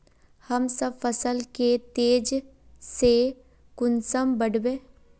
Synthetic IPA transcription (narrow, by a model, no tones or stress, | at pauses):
həmsəbfəsəlket̪eːd͡ʒ | se | kʊnsəmbəɽbẽː